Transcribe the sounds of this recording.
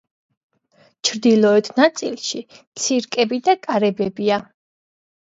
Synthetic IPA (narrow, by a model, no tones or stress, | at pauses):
t͡ʃʰɾd̪ilˠɔɛt̪ʰnat̪sʼilˠʃit̪sʰiɾkʼɛbid̪akʼaɾɛbɛbia